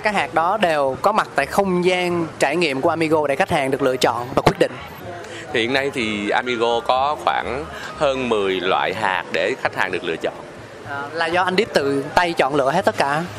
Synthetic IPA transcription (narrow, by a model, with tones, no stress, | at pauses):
kaː˦˥k̚haː˨˩k̚ɗɔ˨˦ɗe˨˩wkɔ˨˦ma˨˩t̚t̪a̰ː˧˨jxə˧wŋ͡mzaː˧nt͡ɕaː˧˩jŋḭ˧˨əmku˧˩əʔaː˧mi˧ɣo˧ɗe˧˩xa˦˥k̟̚haː˨˩ŋɗɨ˨˩ək̚lɨ̰˧˨ət͡ɕɔ̰˧˨nvaː˨˩kwi˦˥t̚ɗḭ̈˧˨ŋ̟ | t̪ʰi˨hi˨əna˧jt̪ʰi˨˩ʔaː˧mi˧ɣo˧kɔ˨˦xwaː˧˩ŋ | həː˧nmɨ˨˩əjlwa̰ː˧˨jɦa̰ː˨˩k̚ɗe˧˩xa˦˥k̚haː˨˩ŋɗɨ˨˩ək̚lɨ̰˧˨ət͡ɕɔ̰˧˨n | ʔəː˨˩laː˨˩zɔ˧ʔa˧jnɗ̪i˦˥əp̚t̪ɨ̰˧˨t̪a˧jt͡ɕɔ̰˧˨nlɨ̰˧˨əhe˦˥t̪̚ə˦˥t̚kaː˧˩